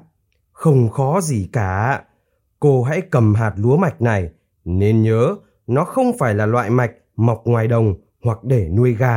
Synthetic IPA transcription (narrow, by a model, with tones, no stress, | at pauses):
xə˧wŋ͡mxɔ˨˦zi˨˩kaː˧˩ | ko˧ɦa̰˧˥jkə˨˩mɦaː˨˩t̚lu˨˦əma˨˩jk̟̚na˨˩j | ne˧nɲəː˨˦ | nɔ˨˦xə˧wŋ͡mfaː˧˩jlaː˨˩lwa̰ː˧˨jma˨˩jk̟̚ma˨˩wk͡p̚ŋwaː˨˩jɗə˨˩wŋ͡m | hwa˨˩k̚ɗe˧˩nu˧əjɣaː˧